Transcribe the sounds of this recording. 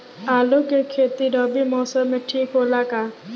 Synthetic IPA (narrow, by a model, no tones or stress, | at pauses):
aːlokekʰeːt̪iɖɔbimɔːsəmːeʈʰiːkɦoːlaka